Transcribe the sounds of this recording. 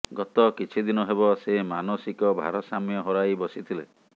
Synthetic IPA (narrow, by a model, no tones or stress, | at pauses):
ɡɔt̪ɔkit͡ʃʰid̪inɔɦebɔsemanɔsikɔbʱa̰ɾɔsamjɔɦɔɾajbɔsit̪ʰile